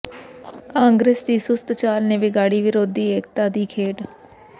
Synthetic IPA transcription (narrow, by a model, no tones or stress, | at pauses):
kãːŋɡɾeːsd̪iːsʊst̪t͡ʃaːlneːʋɪɡaːɽiːʋɪɾoːd̪iːeːk̚t̪aːd̪iːkʰeːʈ